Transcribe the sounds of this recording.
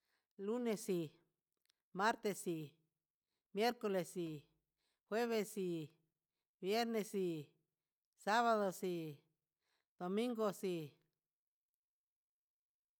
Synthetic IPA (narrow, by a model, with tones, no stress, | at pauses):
lu˦ne˧si˨ | ma˦ɾt̪e˧si˨ | mje˦ɾko˧le˨si˨ | xwe˦βe˧si˨ | bje˦ɾne˧si˧˨ | sa˦βa˧ðo˨si˧ | d̪̥o˨mĩ˦ŋɡo˧si˧˨